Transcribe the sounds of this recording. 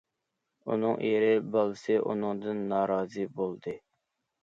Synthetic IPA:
ṵnɨŋʔḭɾɪbɑlˠsɨʔṵnɨŋd̪ɨnːɑːɾɑːzɨbolˠd̪ɨ

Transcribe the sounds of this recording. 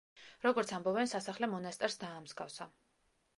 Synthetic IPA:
ɾɔɡɔɾt̪sʰambɔbɛnsasaχlɛmɔnast̪ʼɛɾsd̪aːmzɡafsa

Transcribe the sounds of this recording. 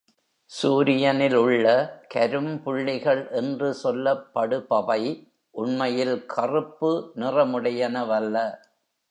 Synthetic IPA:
suːɾɪjɐnɪlʊɭːɐkɐɾɯmpʊɭːɪɣɐɭʔɛndrɯsɔlːɐpːɐɽɯpɐʋɐɪ | ʔʊɳmɐjɪlkʰɐrɯpːɯnɪrɐmɯɽɐjɐnɐʋɐlːɐ

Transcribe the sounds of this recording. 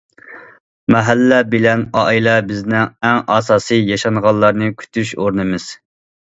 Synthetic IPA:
mɛɦælːɛbɪlɛnɑilɛbɪznɪŋɛŋɑsɑːsɨjɑʃɑnʁɑlˠːɑɾnɨkʲʰy̥t̪ʰyʃoɾnɨmɨz̥

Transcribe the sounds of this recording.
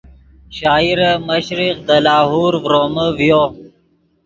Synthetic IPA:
ɕaːiɾəməɕɾiqd̪əlaːɦuːɾvɾoːməvijo

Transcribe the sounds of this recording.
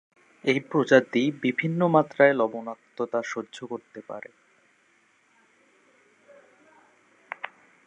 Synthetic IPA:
ejpɾod͡ʑaɾd̪ibibʱinːomat̪ːɾaelɔbonak̚t̪ot̪aʃoɾd͡ʑʱokoɾt̪epa̰ɾḛ

